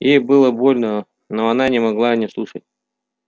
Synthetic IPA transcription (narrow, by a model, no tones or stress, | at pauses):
jejbɨlˠəbo̞lʲnə | noɐnanʲɪmɐɡlˠanʲɪslˠuʂət̚ʲ